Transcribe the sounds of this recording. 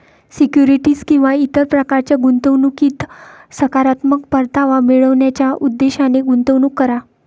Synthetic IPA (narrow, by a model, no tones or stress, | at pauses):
sikjuɾiʈiːskĩw̃ʋait̪əɾpɾəkaɾt͡ɕjaɡunt̪əʋnukiːt̪səkaɾat̪məkpəɾt̪aʋameɭəʋɳjat͡ɕjaʔud̪ːeɕaneɡunt̪əʋnukːəɾa